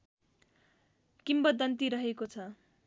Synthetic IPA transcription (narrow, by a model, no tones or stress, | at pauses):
kimbʌd̪ʌnt̪iɾʌɦekot͡sʰʌ